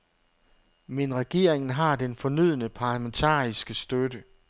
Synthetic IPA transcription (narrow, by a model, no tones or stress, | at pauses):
menʁɛɡ̥e̝ɐ̰eŋn̩ɦɑ̈d̥enfɒ̽nyð̞̰ˠnəpʰɑ̈ːlæment͡sʰɑ̰̈ːisɡ̥əsd̥ødə